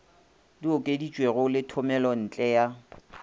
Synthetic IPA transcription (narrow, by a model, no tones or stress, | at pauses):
diʊkʼedit͡ʃʼweɣʊlɪtʰʊmɛlɔn̩t͡ɬʼɛja